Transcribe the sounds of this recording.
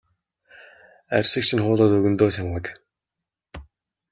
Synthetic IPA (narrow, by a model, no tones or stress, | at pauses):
æ̰rʲsɘ̆kt͡ɕʰĭnχʊːɮɔːt̪ɵɣɵ̆nt̪oːɕamɢə̆k